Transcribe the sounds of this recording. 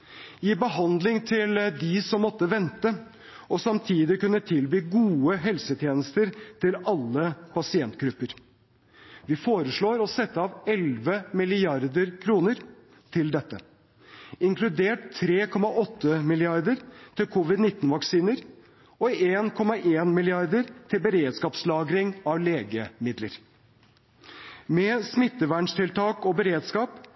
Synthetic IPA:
ibəɦɑnd̪lɪŋt̪ʰɪld̪ɪsɔmːɔt̪ːəʋɛnt̪ə | ɔsɑmt̪ʰiːd̪ɪkʉnːət̪ʰɪlbiːɡuːəɦɛlsət̪ʰjeːnəst̪əɾt̪ʰɪlɑlːəpʰɑsɪɛnt̪ɡɾʉpːəɾ | ʋɪfoːɾəʂɭoːɾɔsɛt̪ːəɑʋɛlʋəmɪlɪɑɾd̪əɾkʰɾuːnəɾ | t̪ʰɪld̪ɛt̪ːə̰ | ɪŋkʰlʉd̪eːʈt̪ʰːɾeːkʰɔmɑʔɔt̪ːəmɪlɪɑɾd̪əɾt̪ʰɪlkʰʊʋɪd̪nɪt̪ːnʋɑksiːnəɾ | ɔeːnkʰɔmɑʔeːnmɪlɪɑɾd̪əɾt̪ʰɪlbəɾeːd̪skɑːpslɑːɡɾɪŋɑʋleːɡəmɪd̪ləɾ | mɛsmɪt̪ːəʋæːɳʂt̪ʰɪlt̪ʰɑːkɔbəɾeːd̪skɑːp

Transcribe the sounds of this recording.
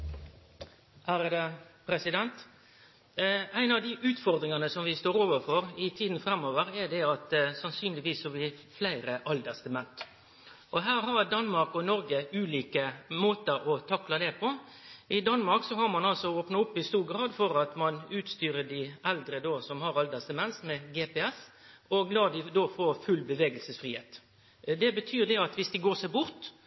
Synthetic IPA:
hæɾəd̪ɛpʰɾɛsɪd̪ɛnt̪ | æɪnɑʋd̪ɪʔʉːt̪fɔɾd̪ɾɪŋɑnəsɔmʋɪst̪oːɾoːʋəɾfɔɾɪt̪ʰiːd̪n̩fɾɛmːoːʋəɾɛd̪ɛɑt̪sɑnsyːnlɪɡʋiːsːɔbɪflæɪɾəʔɑld̪əst̪əmɛnt̪ | ʔɔɦæːɾɦɑɾd̪ɑnmɑɾkɔnɔɾɡəʉːliːkəmoːt̪əɾɔt̪ʰɑklɑd̪ɛpʰɔ | ʔɪd̪ɑnːmɑɾksɔɦɑɾmɑnɑlsɔɔoːpnɑʊpːɪst̪uːɡɾɑːd̪fɔɾɑt̪mɑnʉːt̪st̪yːɾəd̪ɪʔɛld̪ɾəd̪oːsɔmhɑɾɑld̪əst̪əmɛnsmɛɡɛːpɛɛsɔɡlɑːd̪ɪd̪oːfoːɾfʉlbəʋeːɡəlsəsfʁiːheːt̪ | d̪ɛbət̪ʰyːɾd̪ɛɑt̪ʋɪsd̪ɪɡoːsɛɪbʊɾt̪

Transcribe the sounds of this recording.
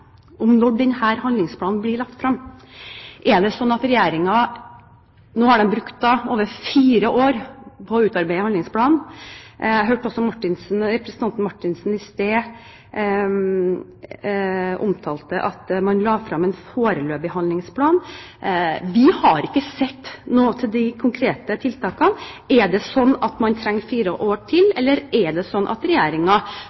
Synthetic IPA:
ʔɔmnɔɖɛnhæːɾhɑnd̪lɪŋspʰlɑːnn̩blɪɭɑkt̪fɾɑm | ʔɛd̪ɛsɔnːɑt̪ɾɛjeːɾɪŋɑ | noːhɑɖɛnbɾʉkt̪̚d̪ɑoːʋəɾfiːɾəʔoːɾpʰɔʉːt̪ɑɾbæɪhɑnlɪŋspʰlɑːnn̩ | æɦøːʈːəɔsɔmɑʈːɪnsn̩ɾɛpɾɛsənɑnt̪n̩mɑʈːɪnsn̩ɪst̪eː | ʔʊ̰mt̪ʰɑːlt̪əʔɑt̪mɑnlɑːfɾɑmɛːnfoːɾəløːbɪhɑnlɪŋspʰlɑːn | ʋɪhɑɾɪkːəsɛt̪ːnoːt̪ʰɪld̪ɪkʰʊŋkʰɾeːt̪ət̪ʰɪlt̪ʰɑːkɑnʔɛɖɛsɔnːɑt̪mɑnt̪ʰɾɛŋːfiːɾəʔoːʈʰɪlɛlːəɾɛɖɛsɔnːʔɑ̰t̪ɾɛjæːɾɪŋɑ

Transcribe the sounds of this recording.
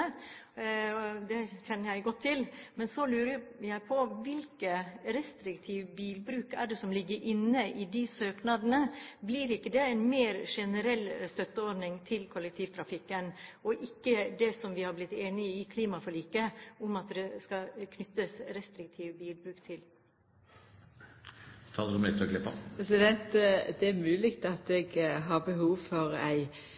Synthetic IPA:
ɔd̪ɛçɛnːəjæɪɡɔt̪ʰːɪlmɛnsɔlʉːɾəjæɪpʰɔʋɪlkəɾɛst̪ɾɪkt̪ʰiʋbiːlbɾʉːkæɖɛsɔmlɪɡːəɾʔɪnːəʔɪd̪ɪsøːknɑd̪ənəbliɾɪkːəd̪ɛɛnmeːɾʂɛnəɾɛlːst̪œt̪ːəɔɾnɪŋt̪ʰɪlkʰɔlːək̚t̪ʰiːʋt̪ʰɾɑfɪkːənɔʔɪkːəd̪ɛsɔmʋɪhɑɾblɪt̪ːeːnɪəɪkʰliːmɑfɔliːkəʊmɑt̪d̪ɛskɑkʰnʏt̪ːəsɾɛst̪ɾɪk̚t̪ʰiːʋbiːlbɾʉːkt̪ʰɪl | t̪ʰɑːləʊmɪt̪ʰɔklɪpːə̰pɛs̬ɪd̪ɛnt̪əd̪ɛæɾmʉːlɪɡt̪ɑt̪ɛɡɦɑɾbəhuːʋfɔɾæ̰ɪ

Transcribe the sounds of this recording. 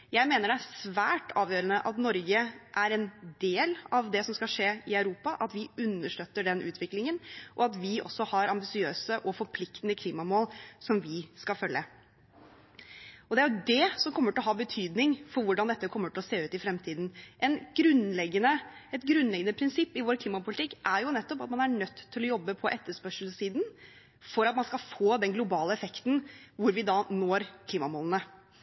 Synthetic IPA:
jæɪmeːnəɖɛæsʋæːʈɑːʋjøːɾənəʔɑt̪nɔɾɡəʔæɾɛnd̪eːlɑʋd̪ɛsɔmskɑʂeːɪɑʉɾuːpɑʔɑt̪ʋɪʉnːəʂʈøːt̪ːəɖɛnʔʉ̰ːt̪ʰʋɪklɪŋənʔɔɑt̪ʋɪʔɔ̰sːɔhɑɾɑmbɪsɪøːsəʔɔfɔɾpʰlɪkt̪ənəkʰliːmɑmoːlsɔmʋɪskɑlfœlːə | ɔd̪ɛæɾjʊd̪ɛsɔmkʰɔmːəʈɪlɔɦɑːbət̪ʰyːd̪nɪŋfɔɾʋʊɖɑnd̪ɛt̪ːəkʰɔmːəʈɪlɔseːʉːt̪ɪfɾɛmt̪ʰiːd̪n̩ʔɛnɡ̥ɾʉnlɛɡənəɛt̪ɡɾʉnlɛɡənəpʰɾɪnsɪpːɪʋoːɾkʰliːmɑpʊlɪt̪ʰɪkːʔæɾjʊnɛt̪ːɔpɑt̪mɑnæɳœt̪ʰːɪlɔjɔbːəpʰɔʔɛt̪ːəʂpœʂəl̩siːd̪n | fɔɾɑt̪mɑnskɑfoːd̪ɛnɡlʊbɑːləɛfɛkt̪n̩ʋʊɾʋɪd̪ɑnoːɾkʰliːmɑmoːlənə

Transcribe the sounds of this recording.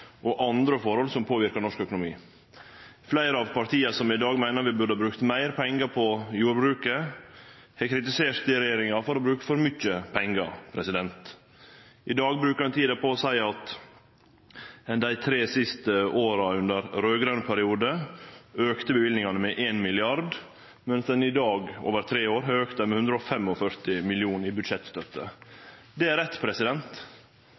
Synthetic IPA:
ʔɔʔɑnd̪ɾəfɔɾhɔlsɔmpʰoːʋɪɾkəɾnɔʂkœkʊnʊmḭː | flæɪɾəɑʋpʰɑɾt̪ʰiːəsɔmɪd̪ɑːɡmæɪnəɾʋɪbʉɖ̪əhɑbɾʉkt̪mæɪɾpʰɛŋɡəɾpʰɔjuːɾbɾʉːkə | hɛkʰɾɪt̪ɪseːɾt̪ɪɾɛjeːɾɪŋɑfɔɾɔbɾʉːkə̥fɔɾmʏçəpʰɛŋɡə̰pʰɾɛsɪd̪ɛnt̪ | ʔɪd̪ɑːɡ̚bɾʉːkəɾɛnt̪ʰiːd̪əpɔɔsæɪɑt̪ | ɛnd̪æɪt̪ʰɾeːsɪst̪əoːɾɑʉnd̪əɾɾøːɡɾɑnpʰæɾɪuːd̪ə | øːkt̪əbəʋɪld̪nɪŋɑnəmɛʔeːnmɪlɪɑɾd̪ | mɛnsd̪ɛnɪd̪ɑːɡo̰ːʋəɾt̪ʰɾeːoːɾɦɑøːkt̪əmɛhʉnd̪ɾəɔfɛmɔfœɾt̪ɪmɪlɪuːnɪbʉd̪ʂɛt̪st̪œt̪ːə̰d̪ɛæɾɛt̪ːpʰɾɛsɪd̪ɛnt̪

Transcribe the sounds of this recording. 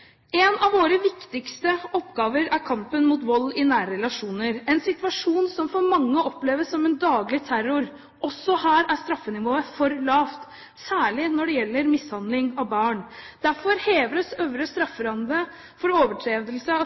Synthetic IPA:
ɛnɑʋʋoːɾəʋɪkt̪ɪkst̪əɔpːɡɑːʋəɾæɾkʰɑmpənmuːt̪ʋɔlːɪnæːɾɾɛlɑʂuːnəɾɛnsɪt̪ʋɑʂuːnsɔmfɔɾmɑŋːəʔɔpleːʋəsːɔmɛnd̪ɑːɡlɪt̪ʰæɾʊɾ | ʔɔsːɔhæːɾæʂt̪ɾɑfːənɪʋoːəfɔɾlɑːft̪ | sæːɭɪnɔɖɛjɛlːəɾmɪshɑnd̪lɪŋɑʋbɑːɳd̪æɾfɔɾheːʋɾəsøʋɾəst̪ɾɑfːəɾɑnd̪ɾə | fɔɾoːʋəʈʰɾeːd̪əlsə

